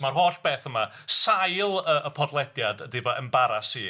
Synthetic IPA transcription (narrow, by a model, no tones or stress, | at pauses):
marɦoːɬb̥eːθəma | sajlˠəʔəpʰɔdlˠɛdjadədɪvɔʔəmbaɾasiː